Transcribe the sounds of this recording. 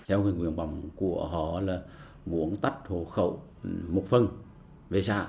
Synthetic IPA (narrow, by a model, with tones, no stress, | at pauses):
t̪ʰɛ˧wŋi˧˨ŋwi˧˨ənɓa˨˩wŋ͡mku˧˩əɦɔ˨˩laː˨˩ | vṵ˧˥əŋt̪a˦˥t̚ho˨˧˩xə̰˧˨w | mu˨˩k͡p̚fə˧n | ve˨˩sa̰ː˧˩